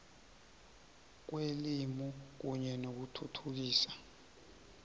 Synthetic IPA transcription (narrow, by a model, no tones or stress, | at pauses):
k̬welimɔk̬uɲɛnok̬utʰutʰuk̬iːsḁ